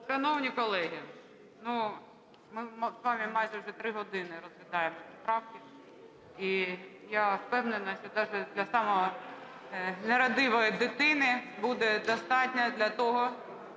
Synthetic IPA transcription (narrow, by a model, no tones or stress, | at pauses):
ʃɐnɔwnʲikɔlˠɛɦʲi | nu | mɪzʋɑmʲimɑjʒɛwʐɛt̪ɾɪɦɔd̪ɪnɪɾɔzʋʲid̪ɑjemɔpʲipɾɑwkʲɪ | ijafpɛwnenɐʃt͡ʃɔd̪ɑʒɛd̪lʲɐsɑmɔɦɔ | neɾɐd̪ɪʋɔjid̪ɪt̪ɪnɪbud̪ɛd̪ɔst̪ɑtʲnʲɐd̪lʲɐt̪ɔɦɔ